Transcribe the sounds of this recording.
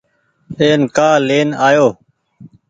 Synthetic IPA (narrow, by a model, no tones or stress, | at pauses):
eːnkaːleːnaːjoː